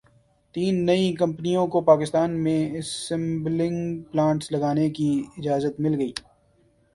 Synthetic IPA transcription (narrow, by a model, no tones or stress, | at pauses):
t̪iːnːɐĩk̬ɐ̃mpnijõkopaːkɪst̪aːnmẽɪ̃mblɪ̃ŋɡplãːɳʈslɐɡaːnekiɪd͡ʒaːzət̪mɪlɡɐiː